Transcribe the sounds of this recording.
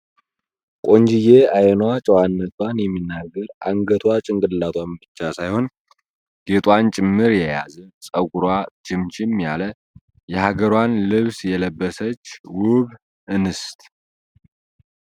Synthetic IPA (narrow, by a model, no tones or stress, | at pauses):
kʼo̞nd͡ʒijeajɛnwat͡ʃʼəwanːət̪ʰwanjɛmːinːaɡːəɾʔa̰ŋɡət̪ʰwat͡ʃʼɪŋɡʼɨllat̪ʰwambɨt͡ʃːasajho̞n | ɡ̥e̞t̪ʼwant͡ʃʼɪmːɨɾjɛja̰zɨsʼəɡʷuɾwad͡ʒɪmt͡ʃɪmjalə | jɛhaɡəɾwanlɨβsjɛləbːəsət͡ʃːwʊβ | ʔɨnɨst̪ʼ